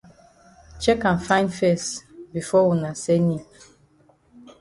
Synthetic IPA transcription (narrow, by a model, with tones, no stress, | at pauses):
t͡ʃɛ˦kã˨nfã˦ɪ̃ndfɛ˦sbi˨fɔ˦wu˨na˨se˦ni˨